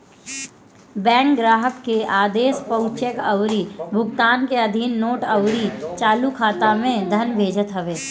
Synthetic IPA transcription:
bɛ̃ːŋkɡɾaːɦəkːeʔaːd̪eːspəʊt͡ʃəkəwɾibʱʊɡt̪aːnkeɐd̪ʱiːnːoːʈəwɾit͡ʃaːlukʰaːt̪amẽd̪ʱɐnbʱeːd͡ʒət̪ɦɐʋeː

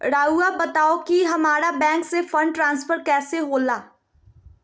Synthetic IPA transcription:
ɾaːuabɐt̪aːokiɦɐmaːɾabɛ̃ːŋksefɐ̃ɳɖ̚ʈɾãːnsfəɾkɛːseɦoːlaː

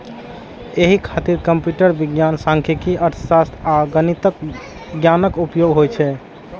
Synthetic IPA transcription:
eɦikʰat̪iɾkəmpjuʈəɾbiɡjansãŋkʰikiʔətʰsast̪ʰaɡənit̪ək | ɡjanəkupjoɡɦojt͡ʃʰɛ

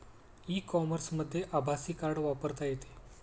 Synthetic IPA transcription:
iːkɔməɾsməd̪ʱːjeʔabʱasiːkaɾɽʋapəɾt̪ajet̪e̥

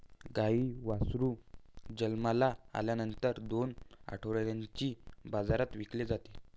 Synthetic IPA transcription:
ɡaiːʋasɾuːd͡ʑəlmalaa̰ljanənt̪əɾd̪ona̰ʈʰoʋɽjaɲt͡ɕiːbad͡zaɾat̪ʋikled͡zat̪e̥

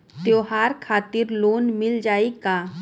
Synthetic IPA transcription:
t̪joːɦaːɾkʰaːt̪ɪɾloːnmɪld͡ʒaːikaː

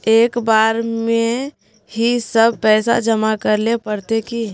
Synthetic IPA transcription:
eːkbaːɾmẽ | hisəb̚pɛːsa̰d͡ʒəmakəɾlepəɾt̪eki

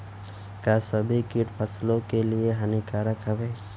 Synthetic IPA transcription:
kasəbʱikiʈpʰəslõkelieɦənikaːɾəkɦəʋeː

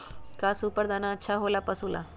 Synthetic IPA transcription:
kaːsuːpəɾd̪anaətːʃʰaɦoːlapɐsula̰

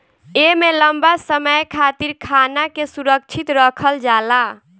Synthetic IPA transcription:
emeləmbasəməjkʰat̪iɾkʰaːnakesuɾək̚t͡ʃʰit̪ɾəkʰəld͡ʒaːla

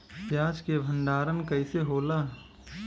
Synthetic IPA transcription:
pjaːd͡ʒkebʱə̃nɖaːɾənkɐiseɦoːlaː

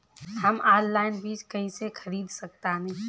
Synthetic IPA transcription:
ɦəmaːllaːɪnbʱiːt͡ʃkəɦĩsekʰəɾiːd̪sək̚t̪anɛ

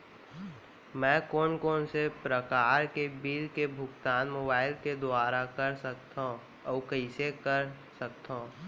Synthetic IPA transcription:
mɛ̃ːkoːnkoːnsepɾəkaːɾkebiːlkebʱʊɡt̪aːnmoːbaːɪlked̪ʊaːɾakɐɾsəkt̪ã | ɔːkəɪsekəɾ | sək̚t̪aũ

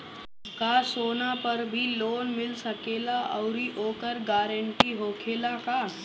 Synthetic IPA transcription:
kaːsoːnapɐɾbʱiloːnmɪlsɐkeːlaʔɔʊɾiʔoːkəɾɡaːɾəɳʈiɦoːkʰeːlakaː

